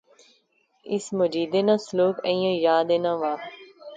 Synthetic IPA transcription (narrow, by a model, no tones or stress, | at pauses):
ɪsmod͡ʒiːd̪enãsloːkẽjãjaːd̪enãʋaː